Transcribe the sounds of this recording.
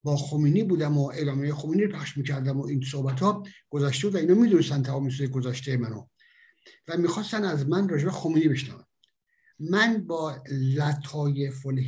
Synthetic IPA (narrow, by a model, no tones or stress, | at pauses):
bɒːxomiːniːbuːd̪æmoʔelɒːmejexomiːnipʰæχʃmiːcʰæɾd̪æmoʔins̬ohbæt̪ʰhɒːɡ̥ozæʃt̪ebud̪væiːnhɔːmiːd̪unest̪ænt̪ʰæmɒːmes̬ujeɡozæʃt̪ejemæno | væmiːxɒːst̪ænæzmænrɒːd͡ʒebexomiːnibe̞ʃnævæm | mænbɒːlæt̪ʰhɒːjefolh